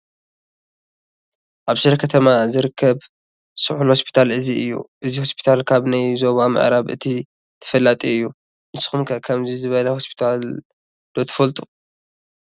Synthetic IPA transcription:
ʔaβʃɨɾɐkʰɐt̪ʰɐmazɨɾɨkʰːɐβ | sɨħulho̞spʰi̥t̪ʰalʔɨziɨjːṵʔɨziho̞spʰi̥t̪ʰalkʰaβnajzo̞βamɨ̰ʕɾaβʔɨ̰t̪ʰi | t̪ʰɐ̥fɐlːat̪ʼiɨjːu | mɨsxumkʰɐkʰɐmzizɨβɐlɐho̞spʰi̥t̪ʰal | d̪̥ot̪ʰɐ̥fɐlt̪ʼu̥

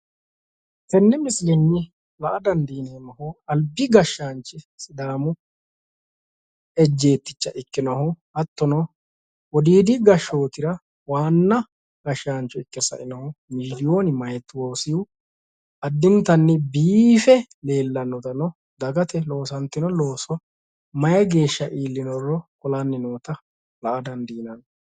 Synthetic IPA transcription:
tɛnːɪmɪslɛnːɪ | lɐʔɐd̪ɐnd̪iːneːmɐhɔɐlbɪɡɐʃːaːnt͡ʃːɪ | sɪd̪aːmʊ | ɛd͡ʒːe̞ːt̪ːɪ̥t͡ʃːɐʔɪkːɪnɐhɔhɐt̪ːɔnɔ | ɔd̪iːd̪ɪɡɐʃːoːt̪ɪɾɐ | waːnːɐ | ɡɐʃaːnt͡ʃːɔɪkːɛsɐ̰ʔɪnɐhʊmɪlɪjo̞ːnɪmɐjɛt̪ːwo̞ːsɪjʊ | ɐd̪ːɪnt̪ːɐnːɪbiːfɛ | le̞ːlːɐnːɔt̪ɐnɔ | d̪ɐɡɐt̪ɛlo̞ːsɐnt̪ːɪnɔlo̞ːswɐ | mɐjɐɡe̞ːʃːɐʔiːlːɪnɔrːɔkʊlanːɪno̞ːt̪ɐ | lɐʔɐd̪ɐnd̪iːnɐn

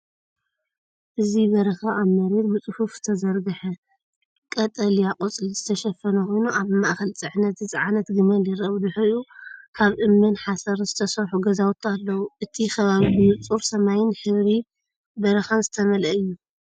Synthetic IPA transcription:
ʔɨziβɐɾɐxaʔːβmɐɾet̪bɨt͡sʼɨhufz̥ɨ̥t̪ʰɐzɐɾɡɨħɐ | kʼɐt̪ʼɐlijaqʼot͡sʼlizɨt̪ʰɐʃɐfɐnɐxʰo̞jnuʔaβmaʔxɐlt͡sʼɨħnɐt̪zɨt͡sʼɨʕanɐt̪ɡɨmɐliɾɐβd̪ɨħuukʰaβʔɨmːɨnħasɐɾz̥ɨt̪ʰɐsɐɾħuɡɐzawt̪alːɐwuʔɨt̪ʰixʰɐβaβiɡɨjut͡sʼuɾsɐmajɪnħɨβɾi | bɐɾɐxanzɨ̥t̪ʰɐmɐlɐɨjːu

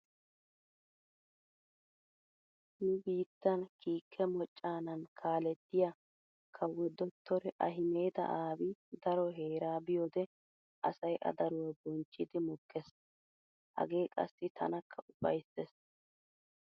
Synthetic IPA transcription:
nʊbiːt̪ːɐnkiːkʰːɛmɔt͡ʃʼːaːnɐnkʰaːlɛd̪ːɪja | kʰɐwɔd̪ɔt̪ːɔɾɛʔɐɦɪme̞ːd̪ɐ̰ʔaːbɪd̪ɐɾɔɦe̞ːɾaːbɪjɔd̪ɛ | ʔɐ̰sɐjʔɐ̰d̪ɐɾɔwɛbɔnt͡ʃʼːɪd̪ɪmʊkːɛs | hɐ̰ɡe̞ːkʼɐ̰sːɪt̪ʰɐ̰nɐkʰːɐʔʊbɐ̰jsːɛs

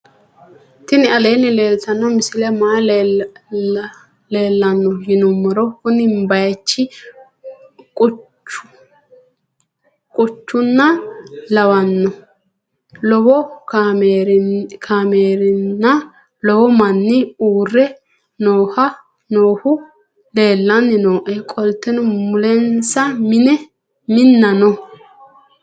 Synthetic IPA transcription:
t̪ɪnɪɐleːnːɪleːlt̪ɐnːɔmɪsɪlɛmaː | leːlːɐnːɔjɪnʊmːɔɾɔkʊnɪmbɐjt͡ʃːɪ | kʼʊ | ʊ | kʼʊt͡ʃːʊnːɐlɐwɐnːɔ | lɔwɔ | ɾkʰaːmeːɾɪnːɐ | lɔwɔmɐnːɪuːrːɛ | noːhɐ | noːhʊ | le̞ːlːɐnːɪnoːʔɛkʼɔlt̪ːɛnɔmʊlɛnsɐmɪnɛ | mɪnːɐnɔ

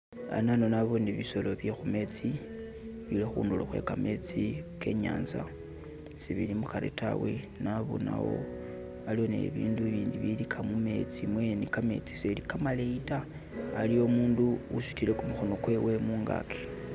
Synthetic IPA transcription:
a̰nano̞naβoniβiso̞lo̞βje̞xume̞t͡si | βilexṵːnduloxwe̞̰kame̞t͡sike̞̰ɲa̰ːnza | siβilimuxaɾḭta̰we | naβo̰na̰wo̞̰ | alionḛβiːnduβiːndiβilikʰamume̞t͡simwenikame̞̰t͡si̥selikamaleitaː | lio̞muːnduuʃu̥tile̞kumuxono̞kwe̞we̞muːŋɡa̰kʰe̥

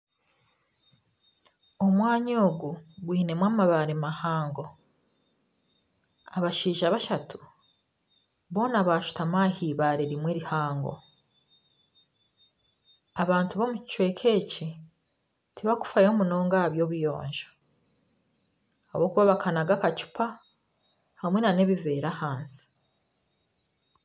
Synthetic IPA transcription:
omwaːɲoːɡuɡwiːne̞mwaːmaβaɾemahaːŋɡo̞ | aβaʃiːʒaβaʃatʰu̥ | βo̞ːnaβaʃu̥tamaːhiːβaːɾeɾimweɾihaːŋɡo̞̰ | aβaːntuβo̞mut͡ʃwe̞kʰe̞ci | tʰiβaku̥fajeomuno̞ːŋɡaβjo̞βujo̞̰ːɲʒḁ | a̰βo̞kuβaβakʰanaɡakat͡ʃu̥pʰa | hamwe̞nane̞βive̞ːɾahaːnsi̥

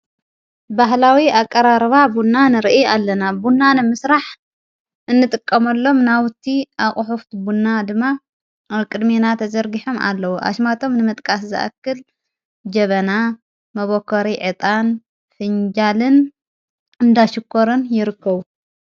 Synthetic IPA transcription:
baɦlawiakʼːɐɾaɾβabunːanɨɾɨʔialːɐnabunːanɨmɨsɾaħ | ʔɨnːɨt̪ʼɨkʼːɐmɐlːo̞mnawʊt̪ʰːiʔaχʼʊħuft̪bunːad̪ɨmːa | kʼɨd̪menat̪ʰɐzɐɾɡiħomʔa̰lːɐwuʔa̰ʃmat̪ʰo̞mnɨmɨt̪ʼkʼaszɨ̰ʔa̰kːɨl | d͡ʒɐβɐna | mɐβokʰːoɾiʕɨt̪ʼan | fɨɲd͡ʒalɨn | ɨnd̪aʃɨkʰːoɾɨnjɪɾɨkːɐβu

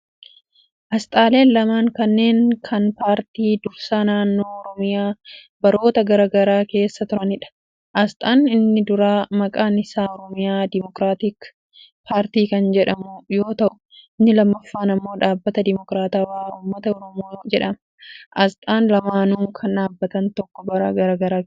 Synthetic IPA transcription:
ʔɐst̪ʼaːle̞ːnlɐmaːŋkɐnːe̞ːŋkʰɐnpaːɾt̪iːd̪ʊɾsaːnaːnːo̞ːɔɾɔmɪjaː | bɐɾo̞ːt̪ɐɡɐɾaːɡɐɾaːke̞ːsːɐt̪ʊɾɐnɪᶑɐ̥ | ʔɐst̪ʼaːnɪnːɪd̪ʊɾaːmɐkʼaːnɪsaːɔɾɔmɪjaːd̪ɪmɔkɾaːt̪ik | pʰaːɾt̪iːkɐnd͡ʒɛᶑɐmʊjoːt̪ɐʔʊ̥ | ɪnːɪlɐmːɐfːaːnɐmːo̞ːᶑaːbːɐt̪ɐd̪ɪmɔkɾaːt̪aːwaːuːmːɐt̪ɐɔɾɔmoːd͡ʒɛᶑɐmɐ | ʔɐst̪ʼaːnlɐmaːnuːkʰɐnᶑaːbːɐt̪ɐnt̪ɔkːɔbɐɾɐɡɐɾaːɡɐɾaː

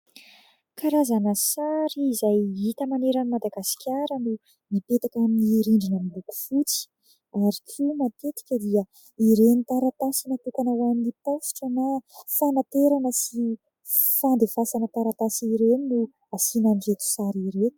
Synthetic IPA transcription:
kaɾazanəsaɾiːzajit̪əmaneɾənimad̪aɡasi̥kʲaɾənu | mipet̪akaminiɾiɳɖ͡ʐinəmiluku̥fut͡si̥ | aɾikʰumat̪et̪i̥kʲəd̪iə | iɾenit̪aɾat̪asinat̪ukanawaminipofu̥ʈ͡ʂənafanat̪eɾanəsi | fand̪efasanət̪aɾat̪asiɾeninu | asinanivet̪u̥saɾiɾet̪u̥

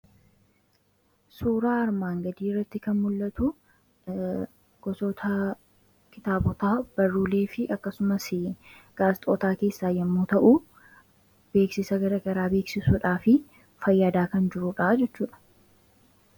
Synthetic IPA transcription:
suːɾaːɐɾmaːŋɡɐd̪iːrːɐt̪ːɪkɐnmʊlːɐt̪ʊ | ɡ̥ɔsɔt̪ʰɐ | kɪt̪aːbɔt̪aːb̥ɐrːuːle̞ːfɪʔɐkːɐsʊmɐsɪ | ɡ̥aːst̪ʼɔːt̪aːke̞ːsːaːjɐmːoːt̪ɐʔuː | b̥e̞ːksɪsɐɡɐɾɐɡɐɾaːbe̞ːksɪsʊᶑaːfɪ | fɐjːaːd̪aːkɐnd͡ʒɪɾuᶑaːd͡ʒɛt͡ʃːuːᶑɐ̥

